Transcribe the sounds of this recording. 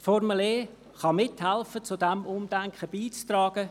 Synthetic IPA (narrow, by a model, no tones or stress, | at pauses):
fɔrməleː | χɑmɪthɛlfət͡sʊdɛmʊmd̥̪ɛŋkχəb̥iːt͡st̪rɑːɡ̥ə